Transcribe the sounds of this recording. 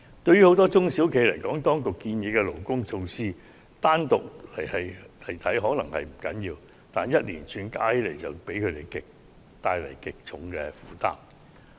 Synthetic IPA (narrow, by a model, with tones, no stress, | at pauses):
t̪ɵ˧ɥyː˥ho˨˥wt̪ɔː˥t͡sʊ˥ŋsiː˨˥wkʰe˨˧˥lɐ˨˩jkɔː˨˥ŋt̪ɔː˥ŋkʊ˨kːiː˧njiː˨˧kɛ˧lo˨˩wkʊ˥ŋt͡ʃʰo˧wsiː˥ | t̪aː˥nt̪ʊ˨k̚lɐ˨˩jhɐ˨jlɐ˨˩jt̪ʰɐ˨˥jɦɔː˨˥nɐ˨˩ŋhɐ̰˨jm̩˨˩kɐ̰˨˥njiː˧w | t̪aː˨˩njɐ˥t̚liː˨˩nt͡ʃʰyː˧nkaː˥jle˨˩jt͡sɐ˨wpe˨˥jkʰɵ˨˧t̪e˨jkɪ˨˩k̚ | t̪aː˧jlɐ̰˨˩jkɪ˨k̚t͡sʰʊ˨˥ŋkɛ˧fuː˨˥t̪a̰ː˥m